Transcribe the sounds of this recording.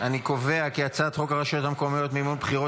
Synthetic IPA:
aniko̞ve̞akiat͡sat̪χo̞kaʁaʃot̪hamkomijo̞t̪mimonbχiʁo

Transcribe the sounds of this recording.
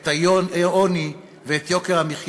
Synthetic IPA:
t̪aoni | veet̪jo̞keʁhamiχj

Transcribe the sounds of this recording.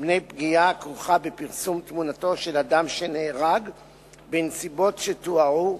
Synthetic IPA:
bne̞jpɡiakʁuχabepiʁsumt̪munato̞ʃe̞ladamʃeneːʁaɡ | bensibo̞tʃetuau

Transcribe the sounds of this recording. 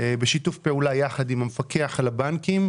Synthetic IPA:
ebeʃitufpeulajaχadimhamefakeaχalabankim

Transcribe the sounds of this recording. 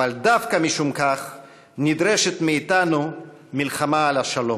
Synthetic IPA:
ald̪afkamiʃumkaχ | nid̪ʁeʃet̪miːt̪anu | milχamaːlaʃalo̞

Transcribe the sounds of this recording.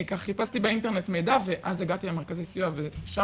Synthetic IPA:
kaχχipastibeintenetmejdaveʔazeɡatilemeʁkazejsiaveʃa

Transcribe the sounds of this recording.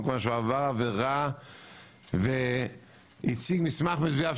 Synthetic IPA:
kmaʃuavaʁaveʁa | ve | it͡siɡmɪsmaχməzujaf

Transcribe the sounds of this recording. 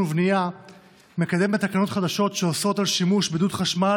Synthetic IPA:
uvnija | me̞kad̪e̞mbet̪akano̞tχad̪aʃo̞tʃeoso̞t̪alʃimuʃbed̪ut̪χaʃma

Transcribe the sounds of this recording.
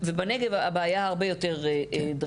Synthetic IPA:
vebaneɡevabeajaaʁbejo̞teʁed̪

